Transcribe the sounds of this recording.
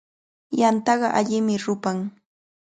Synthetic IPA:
jant̪ɑɢɑʔaʎɪmɪɾʊpaŋ

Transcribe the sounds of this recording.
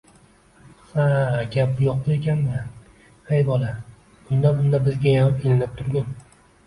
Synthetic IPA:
haɡʲap̚bʊjoq̚bekʲanmɪ | hejbɒlˠḁ | ʊnd̪abʊnd̪abɪzɡʲajanɪpenɪnɪp̚t̪ʰʊɾɡʲan

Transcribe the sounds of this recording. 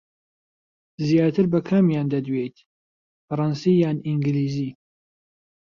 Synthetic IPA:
zjaːt̪ʰɨɾbɐkʰamjaːnd̪ɐd̪wejt̪ | fɨɾˤɑnsijaːniŋɡliːzi

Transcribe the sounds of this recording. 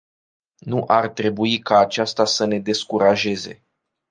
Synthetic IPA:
nuʔart̪ɾe̞buikaːt͡ʃast̪asəne̞d̪e̞skuɾaʒe̞ze̞̰

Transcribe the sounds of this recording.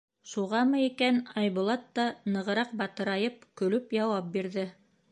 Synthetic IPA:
ʃuʁɑmɤikænɑjβŭlˠɑt̪ːɑnɤ̆ʁɤ̆ɾɑq̚bɑt̪ɤ̆ɾɑjɤp̚kɵ̆lɵpjɑwɑp̚biɾðɘ

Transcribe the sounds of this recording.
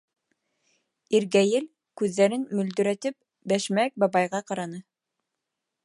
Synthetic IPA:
iɾɡæjɘl | kʉðːæɾɘnmɵ̆ld̪ɵ̆ɾæt̪ɘp̚ | bæʃmæk̚bɑβɑjʁɑqɑɾɑnɤ

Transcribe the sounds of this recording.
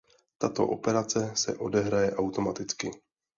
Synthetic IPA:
t̪at̪o̞̰ʔo̞̰pɛɾat͡sɛsɛʔo̞dɛɦɾajɛʔawt̪o̞mat̪ɪt͡skɪ

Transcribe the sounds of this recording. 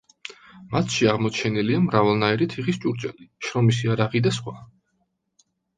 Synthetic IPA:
mat̪ʰʃiaʁmɔt͡ʃʰɛniliamɾavalˠnaiɾit̪ʰiχist͡ʃʼuɾt͡ʃʼɛliʃɾɔmisiaɾaʁid̪asχwa

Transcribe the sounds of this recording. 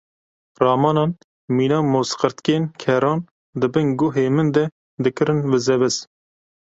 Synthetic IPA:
rɑːmɑːnɑːn | miːnɑːmoːsqəɾt̪keːnkʰɛɾɑːn | d̪ɨbɨnɡʊɦeːmɨnd̪ɛ | d̪ɨkɨɾɨnbɨzɛbɛs

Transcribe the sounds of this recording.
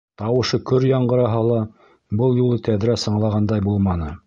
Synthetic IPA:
t̪ɑwɤ̆ʃɤkɵɾjɑɴɢɤ̆ɾɑɦɑlˠɑ | bɤlˠjulˠɤt̪æðɾæsɤ̆ɴlˠɑʁɑnd̪ɑjbulˠmɑnɤ

